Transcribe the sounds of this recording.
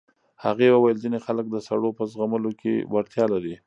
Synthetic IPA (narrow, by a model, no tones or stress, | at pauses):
haɣewəwajəlzinexalək̚d̪əsaɽopəzɣaməlokḛwaɽt̪jɑlaɾi